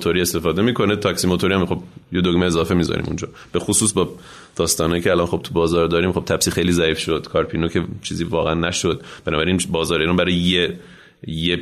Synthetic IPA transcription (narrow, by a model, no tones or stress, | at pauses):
t̪ʰoɾiːe̞st̪efɒːd̪emiːkʰo̞net̪ʰɒksimot̪ʰoɾiæmxo̞bjed̪oɡmeezɒːfemiːzɒ̰ɾʔḭmṵnd͡ʒɒ̰ː | b̥e̞xosuːsbɒː | d̪̥ɒːst̪ɒːnɒːjiːcʰeælɒnχo̞b̥̚t̪ʰubɒːzɒːɾd̪ɒːɾiːmχo̞b̚t̪ʰæbsiːxejliːzæiːfʃod̪̥kʰɒːɾpʰiːnocʰet͡ʃʰiːziːvɒːɣeænːæʃod̪̚b̥enɒːbæɾiːnbɒːzɒːɾeiːɾɒːnbæɾɒjje | je